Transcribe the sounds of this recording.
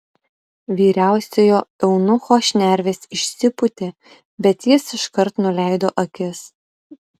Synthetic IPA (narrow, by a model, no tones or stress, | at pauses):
ʋʲiːɾʲæˑʊsʲejoːɛʊnʊxoːʃʲnʲæɾʲʋʲeːsɪʃʲsʲɪpʊt̪ʲeː | bʲɛt̪jɪsɪʃkɐɾt̪nʊlʲæˑɪd̪oːʔɐkʲɪs